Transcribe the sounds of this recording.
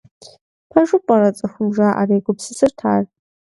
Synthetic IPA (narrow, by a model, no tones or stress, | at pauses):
pʰaʐɨpʼɐɾɐt͡sʼɐxʷʊmʐaːʔa̰reːɡʷʊpsɨsɨrtʰaːr